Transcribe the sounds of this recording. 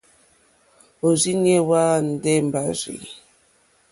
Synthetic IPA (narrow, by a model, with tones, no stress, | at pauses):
o˨zi˦njɛ˦wa˦n̩˨dɛ˦m˨ba˦zḭ˨